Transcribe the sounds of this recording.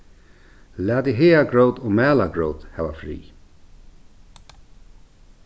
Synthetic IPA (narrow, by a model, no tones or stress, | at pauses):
læːt̪iɦeːaɡɹowt̪ɔmæːlaɡɹowt̪hɛʋa̰fɾḭː